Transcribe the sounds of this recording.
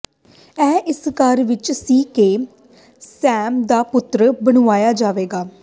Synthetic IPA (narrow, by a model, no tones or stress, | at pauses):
ɛːʔɪskəɾʋɪt͡ʃsiːkeː | sɛːmd̪aːpʊt̪ːɾbəɽ̃ʊaːjaːd͡ʒaːʋeːɡaː